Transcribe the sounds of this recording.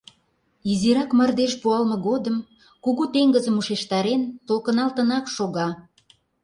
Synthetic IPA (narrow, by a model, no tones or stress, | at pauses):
iziɾɑkmərd̪eʃpuɑlmɤ̆ɣod̪əm | kuɣut̪eŋɡəzəmuʃeʃt̪ɑɾent̪olkə̆nɑlt̪ə̆nɑkʃoɣɑ